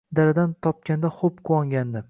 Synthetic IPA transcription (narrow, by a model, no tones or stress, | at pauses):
d̪aɾɪd̪ant̪ʰɒp̚kʲand̪aχopkʰʊwɒŋʲand̪ɪ